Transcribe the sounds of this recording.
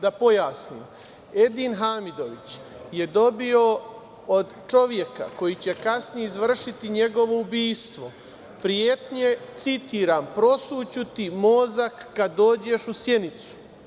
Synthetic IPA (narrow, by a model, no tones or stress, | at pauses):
d̪apo̞jaːsniːm | e̞d̪inɦaːmid̪o̞ʋit͡ɕ | je̞d̪o̞bio̞ | od̪t͡ʃo̞ʋje̞ka̰ko̞jit͡ɕe̞kasnijeizʋr̩ʃit̪iɲe̞ɡo̞ʋo̞ubiːst̪ʋo̞ | pɾijet̪ɲe̞t̪sit̪iːɾaːmpɾo̞sut͡ɕut̪imo̞zakːad̪ːo̞ːd͡ʑe̞ʃusje̞nit̪su̥